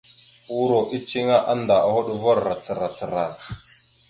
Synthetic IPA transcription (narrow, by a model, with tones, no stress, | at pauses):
u˦ɾo˨ʔi˦t͡ʃi˦ŋa˦ʔa˦nda˨ʔa˨hu˦ɗu˦vo˦ɾɾa˨t͡sə˨ɾa˨t͡sə˨ɾa˨t͡s